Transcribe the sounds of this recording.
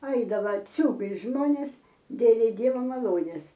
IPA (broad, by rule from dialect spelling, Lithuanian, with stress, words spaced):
ˈɐɪdɐʋɐ ˈt͡sʲuːɡɐɪs ˈʒmoːnʲeːs ˈdʲeːlʲɛɪ ˈdʲiɛʋɐ mɐˈlˠoːnʲeːs